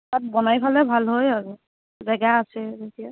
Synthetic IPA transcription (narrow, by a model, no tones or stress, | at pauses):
tat̚bɔnajpʰalɛbʱalɦojaɹu | bɛɡaːsɛzetija